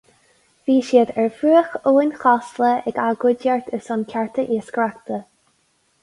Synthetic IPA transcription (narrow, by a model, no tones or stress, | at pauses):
v̥iːʃiːd̪ɛɹfɾuːəxoːənxɔsləɛɡaɡʊdjaɹt̪ʰəsʊnkʲʰaɹt̪ʰəʔiəskɾakt̪ə